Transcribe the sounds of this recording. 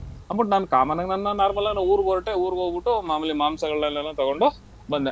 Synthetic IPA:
ɐmpɐʈnaːnkaːmɐnɐɡnɐnnannaːɾmɐlɐɡnɐuːɾuɡoːɾʈːeuːɾɡoːɡbiʈːumaːmɐlimaːmsɐɡɐɭːɐlːɐlːɐt̪ɐɡoɳɖu | bɐnd̪e

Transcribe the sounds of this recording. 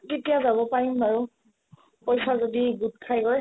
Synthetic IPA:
ketijazabɔpaɹimaɹu | pɔjsazodiɡud̚kʰajɡɔj

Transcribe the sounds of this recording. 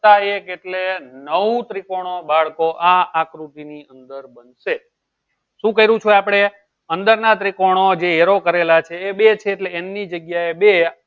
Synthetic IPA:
aekeʈlenəʋũt̪ɾikoɽ̃obaɭkoʔaakɾut̪iniənd̪əɾbənʃe | ʃũkəɦiɾũt͡ʃʰueapɽ̃e | ənd̪əɾnat̪ɾikoɽ̃od͡ʒeeɾokəɾelat͡ʃʰeːbet͡ʃʰeːʈleːnːid͡ʒəɡjaebe

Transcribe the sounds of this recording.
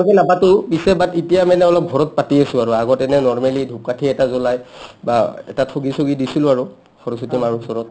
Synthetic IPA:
kɛnapatʊbisɛbatitijamɛnɛɔlɔp̚ɡʱɔɹɔt̚patiasʊ̃aɹuaɡɔtɛnɛnɔɹmalidʱup̚katʰiɛtazɔlajbaɛ̰tatʰoɡisoɡidisilʊaɹu | xʰɔɹɔsutimaɹusɔɹɔt̚

